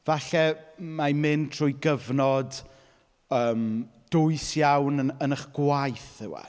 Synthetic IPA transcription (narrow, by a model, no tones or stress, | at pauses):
v̥aɬɛmamɨntʰr̥ʊːjɡəvnɔd | əːmd̥ʊɨsjawnəənəχɡ̥wajθɪwa̰